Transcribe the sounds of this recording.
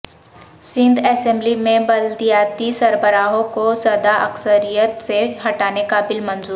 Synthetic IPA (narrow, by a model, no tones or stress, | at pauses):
sɪ̃nd̪ɛːsɛ̃mblimẽbɐld̪ijaːt̪isɐɾbəɾaːɦõkosɐd̪aʔɐksəɾijət̪seɦɐʈaːnekabɪlmɐ̃nzuːɾ